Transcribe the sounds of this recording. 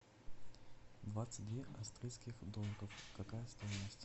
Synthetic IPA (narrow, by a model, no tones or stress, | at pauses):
d̪vat̪sɨ̥t̚ʲd̪ʲvʲeʔɐst̪ɾʲijskʲɪxd̪omʲkəfkɐkajəst̪ojɪnəsʲtʲ